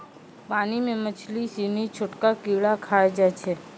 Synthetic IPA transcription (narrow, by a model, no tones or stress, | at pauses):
paːnimẽmət͡ʃʰlisiːnit͡ʃʰʊʈkakiːɭakʰaːed͡ʒat͡ʃʰɛ